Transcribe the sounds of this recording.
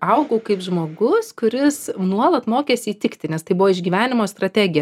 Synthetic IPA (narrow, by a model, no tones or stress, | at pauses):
ɐʊɡɐʊkɐɪpʒmoːɡʊskʊɾʲɪsnuɔlˠɐt̪moːkʲeːsʲiːt̪ʲɪkt̪ʲɪnʲɛst̪ɐɪbʊʋoːɪʒʲɡʲiːʋʲæːnʲɪmoːst̪ɾɐt̪ʲæːɡʲɪjɛ